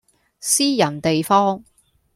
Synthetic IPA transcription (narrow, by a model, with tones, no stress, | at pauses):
siː˥jɐ˨˩nt̪e˨jfɔː˥ŋ